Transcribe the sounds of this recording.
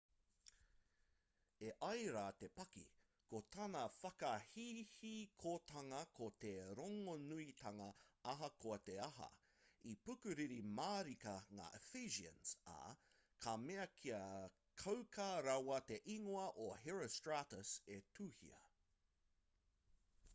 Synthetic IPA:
eʔɐjɾaːt̪epɐkḭ | kot̪ʰɐnɐfɐkɐhihikʰot̪ɐŋɐkʰot̪eɾoŋonuit̪ʰɐŋɐɐɦɐkoɐt̪eɐɦɐ̰ | ipʉkʉɾiɾimaːɾikɐŋa̰ːʔefiʒiə̰nsa̰ | kʰameɐkʰiɐ | kʰɐwkʰaɾɐwɐt̪e̞ʔiŋoɐʔoɦɛɹəstɹatəsetʰuːhḭɐ̰

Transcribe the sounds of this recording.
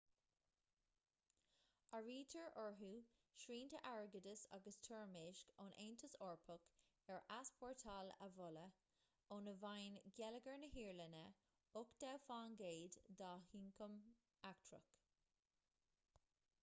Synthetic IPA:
aɹiːtʰəɹʔɔɹɦuːʃɹiːntʰəʔaɹɡədəsa̰ɡəstʰɔɹmeːʃkɔnʔeːntʰəsɔːɹpʰək | ɛɹʔaspʰɔɹtʰalə̰vʊlə | onəvajnɡɛləɡəɹnəɦiːɹlənə | ʊkd̪̥awfaːnɡeːdd̪ɑːhiːŋkʰəm | ak̚tʰɹə̰k

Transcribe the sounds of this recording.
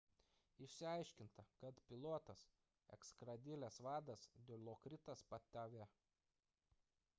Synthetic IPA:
ɪʃʲsʲɪɐɪʃʲkʲɪnt̪ɐkɐt̪pʲɪlˠoːt̪ɐs | ɛ̰kskɾɐd̪ʲɪlʲɛsʋɑːd̪ɐsd̪ʲɪlʲˠokɾʲɪt̪ɐspɐt̪ʲæʋʲe

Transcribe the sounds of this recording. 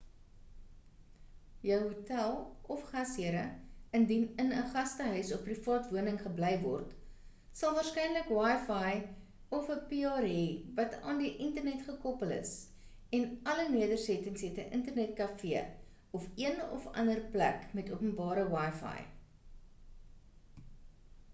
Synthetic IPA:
jœwɦutælˠɔfχɐsiəɾəəndinənəχɐstəɦœɥsɔfpːrifɑːtvuənəŋχəbləjvɔ̰rt | sɐlˠvɑːrskɛjnləkwɑjfɑj | ɔfəpiɑːɾiːvɐtɑːndiʔəntərnɛtχəkɔpələ̰s | ɛnɐləniədərsɛtəŋsɦɛtəʔəntərnɛt̚kɐfiə | ɔfiənɔ̰fɐ̰ndərplæ̰kmɛtuəpənbɑːɾəwɑjfɑ̰j

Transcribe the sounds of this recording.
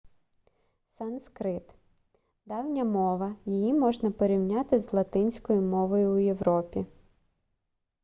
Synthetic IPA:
sɐnskɾɪt̪ | d̪ɑwnʲɐmɔʋɐjijimɔʒnɐpɔɾʲiwnʲɑt̪ɪzlˠɐt̪ɪnʲsʲkɔjʊmɔʋɔjʊːjewɾɔpʲi

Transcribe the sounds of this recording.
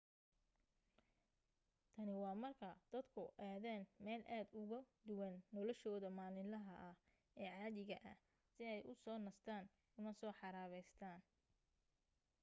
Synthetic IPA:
t̪ʰɐnɪwɑːmɐrkʰɐd̪̥ɐd̪kʰʊʔaːðaːnmɛːlʔaːd̪ʊɣɐd̪ʊwɐnːɔlɔʃɔːðɐmaːlɪlɐɦɐʔɐh | ɛːʕɑːðɪɣɐʔɐ̰h | sɪɛjʔʊsɔːnɐst̪ʰaːn | ʊmɐsɔːħɑɾaːβɛjst̪ʰaːn

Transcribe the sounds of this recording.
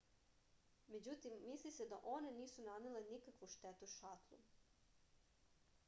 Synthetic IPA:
me̞d͡ʑut̪imːislised̪aʔo̞ne̞niːsunanelenikakʋuʃt̪et̪uʃat̪lˠṵ

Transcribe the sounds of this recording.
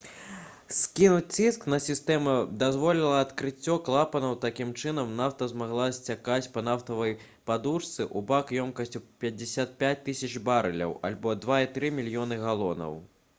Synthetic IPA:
skʲinut͡sʲt͡sʲisknɐsʲist̪ɛmɛd̪azvɔlʲilˠɐɐt̪kɾɨt͡sʲːɔklˠapɐnɐwt̪akʲimt͡ʂɨnɐmnawt̪ɐzmaɣlˠasʲt͡sʲakat͡sʲpɐnaft̪ɐvɐj | pad̪uʂt̪sɨʔubakjɔmkɐsʲt͡sʲupʲɐd͡zʲɪsʲat̪̚pʲat͡sʲt̪ɨsʲɐt͡ʃbaɾɨlʲɐ̰wa̰lʲbɔd̪vait̪ɾɨmʲilʲjɔnɨɣalˠɔnɐ̰w

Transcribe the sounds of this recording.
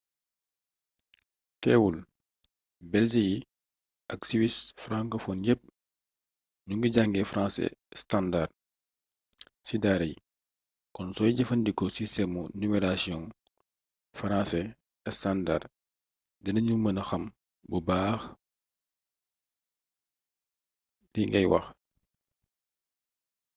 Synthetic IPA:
tɛːwul | bɛls̬iji | ɐksiwisfɾãŋkəfɔnjɛp̚ | ɲuŋɡiɟaŋɡɛfɾãnsɛ̰standar | sidaːɾɐj | kɔnsɔːjɟɐfɐndikɔsistɛmunumɛɾasiɔ̃n | faɾãsɛ | ɛstanda̰r | dɐnɐɲumɐnɐxɐm | bubaːx | diŋɡɛjwɐ̰x

